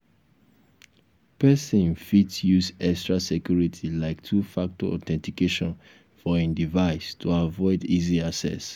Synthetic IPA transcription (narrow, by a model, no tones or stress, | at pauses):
pɛsĩnfitsjuzɛkstɹasɛkjuɹitʰilaɪktʰufak̚tɔɔ̰tɛ̃ntikeʃɔ̃n | fɔĩndivaɪstʰuavɔɪdiziasɛ̰s